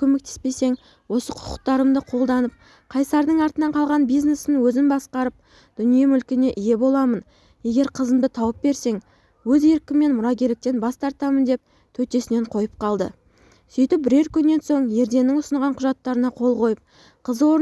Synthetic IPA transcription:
kʲʰɵme̞k̚t̪ʰe̥spe̞se̞ŋ | wo̞səqʰʊ̥qʰʊ̥q̚t̪ɑɾəmd̪əqʰo̞lˠd̪ɑnəp̚ | qʰɑjsɑɾd̪əɴɑɾt̪ənɑɴqʰɑlˠʁɑnbijzne̞snɪŋwɵzɪnbɑsqɑɾəp̚ | d̪̥ʏnijemʏlkʲɪne̞ʔɪje̞bo̞lˠɑmən | je̞ɡʲe̞ɾqʰəzəmd̪ət̪ʰɑwəp̚be̞ɾse̞ŋ | wɵze̞ɾkʲɪmːe̞nmʊɾɑɡʲeɾlɪk̚t̪e̞nbɑst̪ɑɾt̪ɑmənd̪e̞p̚ | t̪ʰɵt̪e̞sɪne̞ɴqʰo̞jəp̚qɑlˠd̪ə̰ | sʏjt̪ɪp̚bɪɾe̞ɾkʲʰʏnːe̞nso̞ɴje̞ɾd̪e̞nːɪŋʊsəɴʁɑɴqʰʊʒɑt̪ːɑɾənɑqʰo̞lˠqʰo̞jəp̚ | qʰəzəwo̞ɾ

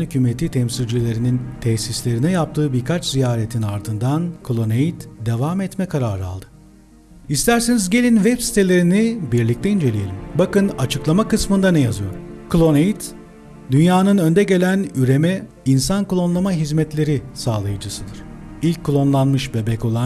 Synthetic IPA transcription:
nhycʰymet̪ʰit̪ʰɛmsilʲd͡ʒilʲe̞ɾinint̪ʰɛçsislʲe̞ɾinɛjap̚t̪ʰɯːbiɾkʰat͡ʃzijaːɾet̪ʰinaɾd̪ɯnd̪ankʰulˠo̞nejit̪d̪e̞vamɛt̪mɛkʰaɾaɾɯa̰lˠd̪ɯ | ist̪ʰæɾsenizɟe̞lʲinvɛbsi̥t̪ʰe̞lʲe̞ɾinibiɾlʲict̪ʰɛind͡ʒe̞lʲije̞lʲimbakɯnat͡ʃʰɯklˠamakɯsmɯnd̪anɛjazɯjo̞ɾkʰulˠo̞nejit̪ | d̪ynjaːnɯnø̞nd̪ɛɟe̞lʲænyɾe̞mɛ | insankulˠo̞nlˠamaɦizmɛt̪lʲe̞ɾisaːlˠajɯd͡ʒɯsɯd̪ɯɾ̥ilʲcʰːulˠo̞nlˠanmɯʃbebɛco̞lˠa

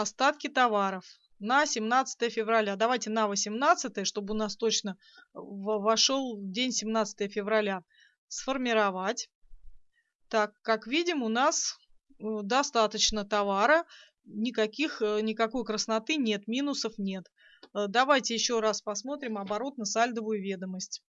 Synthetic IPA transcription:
ɐst̪at̪kʲɪt̪ɐvaɾəf | nəsʲɪmnat̪sə̥t̪əjəfʲɪvrɐlʲad̪ɐvajtʲɪnəvəsʲɪmnat̪sɨt̪əjəʂt̪o̞bɨʊnast̪o̞t͡ɕnə | vvɐʂolˠvdʲenʲsʲɪmnat̪sə̥t̪əjəfʲɪvɾɐlʲa | sfərmʲɪɾɐvatʲ | t̪akːakvʲidʲɪmʊnas | d̪ɐst̪at̪ət͡ɕnət̪ɐvaɾə | nʲɪkɐkʲixnʲɪkɐko̞jkɾəsnɐt̪ɨnʲe̞t̪mʲinʊsəfnʲe̞t̪ | d̪ɐvajtʲɪjɪɕːo̞ɾaspɐsmo̞t̪ɾʲɪmɐbɐɾo̞t̪̚nəsalʲd̪əvʊjʊvʲe̞d̪əməsʲtʲ

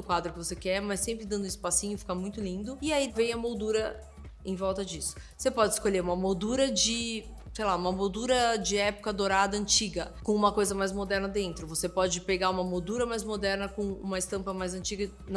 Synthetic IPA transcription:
ʊkwad̪ɾʊkɪvosekɛɾmajsẽmpɾɪd̪ɐ̃nd̪ʊ̃ɪspasĩɲʊɪfi̥kamũj̃t̪ʊlĩnd̪ʊɪaivẽj̃ɐmod̪uɾɐ | ẽj̃vɔwt̪ɐd͡ʒisʊ̥vosepɔd͡ʒɪiskoʎeɾũmɐmod̪uɾɐd͡ʒɪ | sejlaũmɐmod̪uɾɐd͡ʒɪɛpo̥kɐd̪oɾad̪ɐɐ̃nt͡ʃiɡɐkõũmɐkojzɐmajzmod̪ɛɾnɐd̪ẽnt̪ɾʊvosepɔd͡ʒɪpeɡaũmɐmod̪uɾɐmajzmod̪ɛɾnɐkõṵ̃mɐɪst̪ɐ̃mpɐmajzɐ̃nt͡ʃiɡɐ | n

